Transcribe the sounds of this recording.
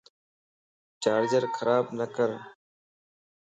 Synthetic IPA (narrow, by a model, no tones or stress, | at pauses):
t͡ʃaːɾd͡ʒəɾkʰəɾaːbnəkəɾ